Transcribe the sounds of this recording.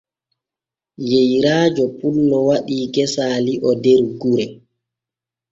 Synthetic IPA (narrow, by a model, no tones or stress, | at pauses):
jejɾaːd͡ʒɔpulːɔwaɗiːkɛsaːliʔɔdɛɾɡuɾɛ